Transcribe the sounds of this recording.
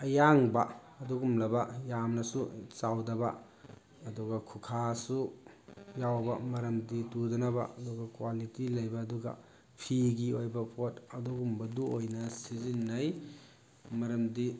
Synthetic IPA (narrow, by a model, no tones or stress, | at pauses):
ɐjaŋbɐ | ɐduɡumlɐbɐjamnɐsut͡ʃawdɐbɐ̰ | ɐduɡɐkʰukʰasu | jawbɐmɐɾɐmditudɐnɐbɐ̰ɐduɡɐkwalitilɐjbɐːduɡɐ̰ | pʰiɡiojbɐpʰotɐduɡumbɐduojnɐsizinːɐj | mɐɾɐmdi